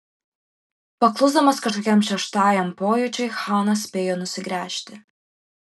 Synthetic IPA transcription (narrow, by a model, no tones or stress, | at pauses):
pɐklˠʊzd̪ɐmɐskɐʃt̪okʲɛmʃʲɛʃt̪ɑːjɛmpoːjʊt͡ʃʲɛjxɑːnɐsʲpʲeːjoːnʊsʲɪɡɾʲæːʃʲt̪ʲɪ